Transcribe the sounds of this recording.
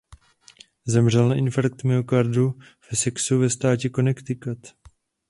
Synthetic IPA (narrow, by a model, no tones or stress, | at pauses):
zɛmr̝ɛlnaʔɪnfaɾk̚t̪mɛokaɾdu | v̥ɛsɛksuvɛst̪aːcɛko̞nɛkt̪ɪkat̪